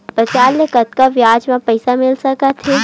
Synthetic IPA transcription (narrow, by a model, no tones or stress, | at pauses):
pɾət͡ʃaːlnekɐt̪̚kaʋjaːd͡ʒmãpɐɪsamɪlsɐkat̪ʰe